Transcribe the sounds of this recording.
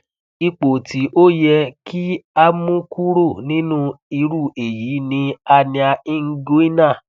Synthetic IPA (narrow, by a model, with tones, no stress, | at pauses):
i˧k͡po˨ti˨˦ʔo˦jɛ˧kʰi˦a˦mũ˦ku˦ɾo˦˨nĩ˦nũ˦i˧ɾu˦˨e˨jiː˨˦nĩ˧a˧nĩ˧a˧i˦ŋ̩˦ɡo˦i˦nã˦˨